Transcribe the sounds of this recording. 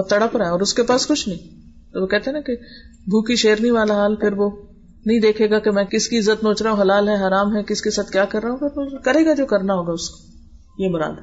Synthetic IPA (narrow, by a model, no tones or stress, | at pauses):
t̪ɐɽəpɾaɦɛɔːɾʊskepaːskʊt͡ʃʰnɐɦĩ | t̪oʋoːkɛɦt̪eɦɛnãke | bʱuːkiʃeːɾniʋaːlaɦaːlpʰɪɾʋo | nɐɦĩd̪eːkʰeːɡakemɛ̃ːkɪskiɪzːət̪noːt͡ʃɾaːɦũɦɐlaːlɦɛ̃ɦaːɾaːmɦɛkɪskesaːt̪ʰkjaːkɐɾːaːɦũpʰɪɾʋokɐɾeːɡad͡ʒoːkɐɾnaɦoːɡaʊsko̥ | jemʊɾa̰ːd̪